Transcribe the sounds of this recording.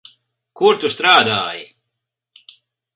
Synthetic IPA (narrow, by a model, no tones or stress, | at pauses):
kuɾt̪ust̪ɾaːd̪a̰ːj